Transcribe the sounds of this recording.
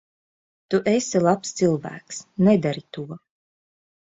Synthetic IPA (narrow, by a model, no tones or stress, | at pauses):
t̪uʔesilˠapst̪sɨlˠvæ̰ːksnɛd̪aɾit̪uɔ